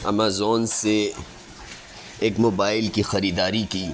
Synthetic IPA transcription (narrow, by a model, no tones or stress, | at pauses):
ɐ̰maːzoːnse | eːkmoːbaːɪlkixɐɾiːd̪aːɾikiː